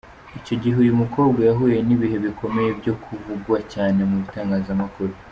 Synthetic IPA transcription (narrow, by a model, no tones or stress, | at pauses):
ico̞ɟiɦujumuko̞ːbɡajaɦuːje̞niβihe̞βikʰo̞me̞jebjo̞kʰuvuɡwacaːne̞muβitaːŋɡaːzamakuɾo